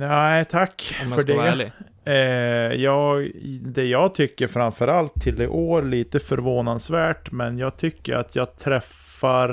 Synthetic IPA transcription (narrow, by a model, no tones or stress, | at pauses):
naɪt̪ʰakːfœɖɛ | jɑːɡd̪ɛjɑːɡ̚t̪ʰʏkːəɾfɾamfœɾalt̪ʰːɪld̪ɛʔoːɾliːt̪əfœɾvoːnansvæːʈmɛnjɑːɡ̚t̪ʰʏkːə̰ɾa̰t̪ʰjɑːɡ̚t̪ʰɾɛfːaɾ